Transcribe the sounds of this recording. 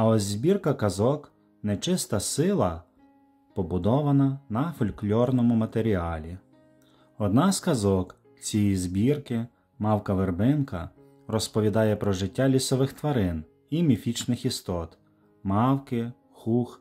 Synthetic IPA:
ɐɔzʲzʲbʲirkɐkɐzɔk | nɛt͡ʃɪst̪ɐsɪlˠɐ | pɔbʊd̪ɔʋɐnɐnɐfɔlʲklʲɔrnɔmʊmɐt̪eɾʲiɑlʲi | ɔd̪nɑskɐzɔk | t͡sʲijizʲbʲirkɪ | mɑwkɐʋerbɪnkɐ | ɾɔspɔʋʲid̪ɑjɛpɾɔʒɪtʲːɑlʲisɔʋɪxt̪ʋɐɾɪn | imʲifʲit͡ʃnɪxist̪ɔt̪ | mɑwkɪ | xux

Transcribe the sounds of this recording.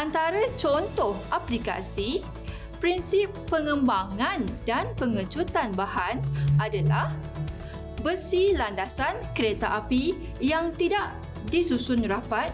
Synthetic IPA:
ʔant̪aɾat͡ʃɔnt̪ɔhaplika̰si | pɾinsipːəŋə̃mbaŋãndanpəŋət͡ʃut̪anbahanʔadalah | bəsilandasankəɾet̪aʔapi | jaŋt̪idaʔ | disusʊnrapat̪̚

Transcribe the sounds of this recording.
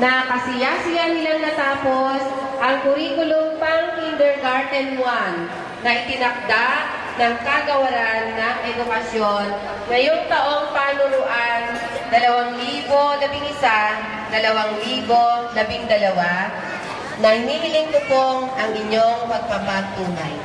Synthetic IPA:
nɐkɐsɪjasɪjanɪlaŋnɐt̪aːposʔɐŋkʊɾiːkʊloŋpaŋkind̪ɛɹɡaɹd̪ɛnwanː | ɐʔɪt̪ɪnɐk̚d̪a | nɐŋkaɡɐwɐɾanːɐŋʔɛd̪ʊkɐsjonː | ɐjʊŋt̪ɐʔo̞ŋpanʊlʊʔan | d̪ɐlɐwaŋliːbolɐbɪŋɪsa | d̪ɐlɐwaŋliːbo̞lɐbɪŋd̪ɐlɐwa | nɐhɪniːɦɪlɪŋt̪ʊpoŋʔɐŋɪɲoŋpɐɡ̚papaɡ̚t̪uːna̰j

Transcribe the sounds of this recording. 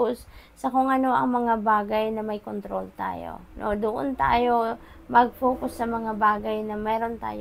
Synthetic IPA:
ʊssɐkʊŋʔɐno̞ʔɐŋmɐŋabaːɡɐjnɐmɐjkont̪ɾolt̪a̰ːjo̰no̰d̪ʊʔo̰nt̪a̰ːjo̞ | mɐɡ̚foːkʊsːɐmɐŋabaːɡɐjnɐmɛːɾo̞nt̪a̰ːj

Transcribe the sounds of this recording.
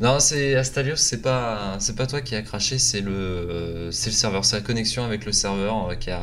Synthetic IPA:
nɔ̃sɛast̪aljosːɛpasɛpat̪wakʲiakχaʃesɛlə | sɛləsɛʁvœʁsɛlakɔnɛksjɔ̃avɛkləsɛʁvœʁøkʲia

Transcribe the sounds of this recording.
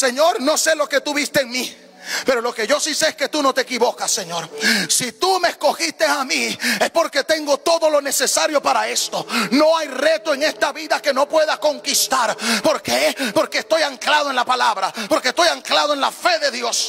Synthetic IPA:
se̞ɲo̞ɾno̞se̞lo̞ke̞t̪uβist̪eeŋmi | pe̞ɾo̞lo̞ke̞ʝo̞siseeske̞t̪uno̞t̪eekiβokasːeɲo̞ɾsit̪umeesko̞xist̪e̞samiespo̞ɾke̞t̪e̞ŋɡo̞t̪o̞ðo̞lo̞ne̞se̞saɾjo̞paɾae̞st̪ono̞ajre̞t̪oeŋe̞st̪aβiðake̞no̞pwe̞ðako̞ŋkist̪aɾpo̞ɾkepo̞ɾkeːst̪o̞jaŋklaðoenlapalaβɾapo̞ɾkest̪ojaŋklaðoenlafe̞ðe̞ðjo̞s

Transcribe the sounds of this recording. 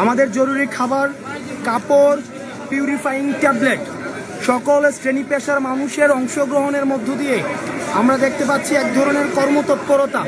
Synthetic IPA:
amad̪eɾd͡ʑoɾuɾikʰabaɾkapoɾ | pjuɾifajiŋʈɛbleʈ | ʃɔkolsʈɾenipeʃaɾmanuʃeɾɔŋʃoɡɾoɦoneɾmod̪ʱːod̪ijeamɾad̪ek̚ʰt̪epatːɕʰiɛk̚d̪ʱɔɾoneɾkɔɾmot̪ɔt̪poɾot̪a

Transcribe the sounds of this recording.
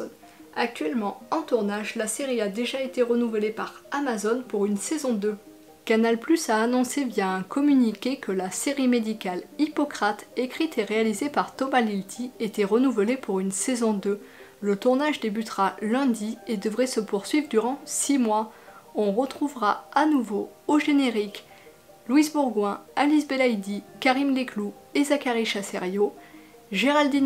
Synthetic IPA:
ak̚t̪ɥɛlmɑ̃ɑ̃t̪uʁnaʒlaseʁiad̪eʒaet̪eʁənuvəlepaʁamazɔnpuʁynsɛzɔ̃d̪ø | kanalplysaːnɔ̃sevjaɛ̃kɔmynikʲekəlaseʁimed̪ikalipɔkχat̪ekχit̪ʰeʁealizepaʁt̪ɔmalilt̪ʰiet̪ɛʁənuvəlepuʁynsezɔ̃d̪ø | lət̪uʁnaʒd̪ebyt̪χalɛ̃d̪ied̪əvʁɛsəpuʁsɥivʁd̪yʁɑ̃simwaɔ̃ʁət̪χuvʁaanuvooʒeneʁik | lwizbuʁɡwɛ̃alisbelajd̪ikaʁimleklu | ezakaʁiʃasɛ̰ʁjo | ʒeʁald̪i

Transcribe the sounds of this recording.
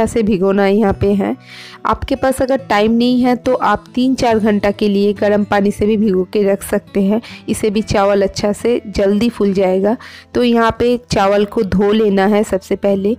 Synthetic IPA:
asebʱɪɡoːnajɐɦãpeɦɛ̃ː | a̰ːpkepaːsɐɡəɾʈaːɪmnɐɦĩɦɛt̪oʔaːp̚t̪iːnt͡ʃaːɾɡʱɐ̃ɳʈakelieɡɐɾəmpaːnisebʱibʱɪɡõkeɾɐkʰsɐk̚t̪eɦɛ̃ɪsebʱit͡ʃaːʋəlɐtːʃʰased͡ʒɐld̪ifʰʊld͡ʒaːeːɡaːt̪oːjɐɦãpet͡ʃaːʋəlkod̪ʱoːleːnaɦɛsɐbsepɛɦle

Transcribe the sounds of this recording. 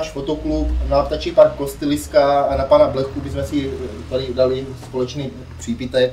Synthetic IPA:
aʃfot̪oklupnap̚t̪at͡ʃipankost̪ɛlɪskaːnapanablɛxubɪzmɛsɪt̪adɪdalɪspolɛt͡ʃniː | pr̝̥iːbɪt̪ɛk

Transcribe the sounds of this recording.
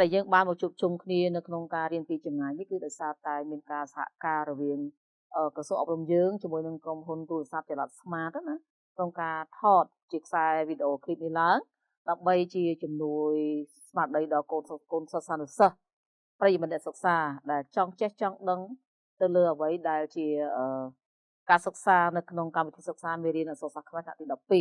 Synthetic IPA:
ɗaɛljəːŋɓaːnɓɑk̚t͡ɕuəp̚t͡ɕumkʰniənɨwkʰnoŋkaːɾiənpiːt͡ɕɑmŋaːjnihkɨːɗaɔjsaːt̪aɛmiənkaːsḁha̰ʔkaːɾɔʋiəŋ | ʔəːkrɑsuːəŋʔɑp̚rumjəːŋt͡ɕiəmuəjnɨŋkromɦunt̪uːləsap̚t͡ɕɑlat̪̚smaːt̪̚ːna | kʰnoŋkaːt̪ʰɑːt̪̚t͡ɕiəkʰsaɛʋiːɗeʔoːkʰiːt̚nihlaəŋ | ɗaəmɓəjt͡ɕiət͡ɕumnuəj | smaːɗəjɗɑlkoːnkoːnsət̪̚saːnusəh | prəjimət̪̚nɛʔsək̚saːɗaɛlt͡ɕɑŋt͡ɕeht͡ɕɑŋɗəŋ | t̪ɨwləːʔəʋəjɗaɛlt͡ɕiəʔəː | kaːsək̚saːnɨwkʰnoŋkamʋit̪ʰiːsək̚saːmiəriənʔasək̚sakʰmaɛt̪ʰna̰ʔt̪iːɗɑpːiː

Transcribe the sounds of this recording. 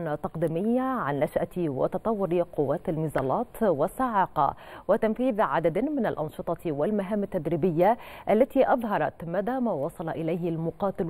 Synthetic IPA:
nt̪ɑqd̪iːmɪjːaʕanːaʃʔat̪wɪ̰t̪ɑt̪ˤɑwːʊɾiqʊwːaːt̪almɪzɑːlɑːt̪wɪsːaʕɑːqɑ̰wɪt̪amfiːðʕa̰d̪ad̪mɪnalʔɑnʃɨt̪ˤɑwɪlmaɦaːmːat̪ːad̪ɾiːbɪjːaʔalːat̪iʔɑðˤɦɑɾˤɑt̪mad̪aːmaːwɑsˤɑlɑʔɪlajhɪlmʊqɑːt̪ɪl

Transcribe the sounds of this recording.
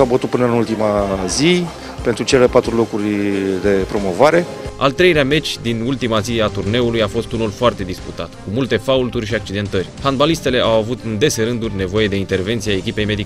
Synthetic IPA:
sabət̪ut̪̚pɨnəɨnult̪imazi | pe̞nt̪ɾut͡ʃelelepat̪ɾulo̞kɾurʲd̪e̞pɾo̞mo̞vaɾe̞ | a̰lt̪ɾe̞jleame̞t͡ʃʲd̪inult̪imaziat̪urne̞ulujafo̞st̪unulfoart̪e̞d̪isput̪at̪kumult̪e̞fault̪urʲʃiak̚t͡ʃid̪e̞nt̪ərʲhanbalist̪e̞le̞ʔawavut̪ɨnd̪e̞se̞ɾɨnd̪urʲne̞vo̞je̞d̪e̞int̪e̞rve̞nt̪siaekʲipe̞jme̞d̪ik

